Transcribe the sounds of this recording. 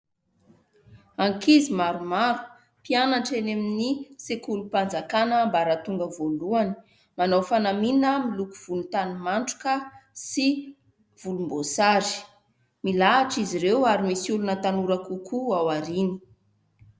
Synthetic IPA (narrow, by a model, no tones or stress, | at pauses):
aŋkizimaɾumaɾu̥ | pianaʈ͡ʂeneminisekulupand͡zakanəmbaɾat̪uŋɡəvoluani̥ | manawfanaminəmilukuv̥ulunt̪animaɳʈ͡ʂu̥kəsi | v̥ulumbosaɾi̥ | milaaʈ͡ʂiziɾewaɾimisulunət̪anuɾakukʰuawaɾini̥